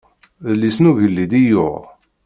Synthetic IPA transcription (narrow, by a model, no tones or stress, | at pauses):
lːisnuvəlːid̪ijʊ̰ʁ